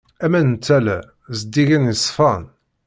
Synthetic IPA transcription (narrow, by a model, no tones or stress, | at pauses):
æmænnt͡s̪ːælæ̰ | zd̪iʝænjəsˤːfɑn